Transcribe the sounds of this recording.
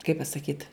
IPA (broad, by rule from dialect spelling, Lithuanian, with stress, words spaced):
kɐɪp pɐsɐˈkʲiːt